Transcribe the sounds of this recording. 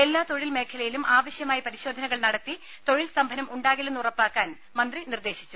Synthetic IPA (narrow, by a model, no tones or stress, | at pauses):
e̞lːaːt̪o̞ɻilme̞ːkʰɐlɐjilumaːʋɐɕjɐmaːjipɐɾiɕo̞ːd̪ʱɐnɐɣɐɭnɐɽɐt̪ːi | t̪o̞ɻilsɐmbʱɐnɐmʔuɳɖaːɣilunurɐpːaːkːaːn | mɐnd̪rinird̪e̞ːɕit͡ɕːu